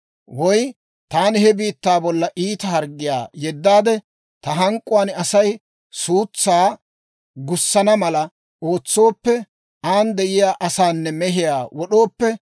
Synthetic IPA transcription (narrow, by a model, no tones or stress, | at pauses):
wɔj | t̪aːnɪhɛbiːt̪ːaːbɔlːɐʔiːt̪ɐhɐɾɡːɪja̰ːjɛd̪ːaːd̪ɛ | t̪ɐɦɐŋkʼːʊwaːnɐsɐj | suːt͡sːaː | ɡʊsːɐnɐmɐlɐ | oːt͡sːo̞ːpːɛ | aːnd̪ɛʔɪjaːʔɐsaːnːɛmɛɦɪjaːwɔɗo̞ːpːɛ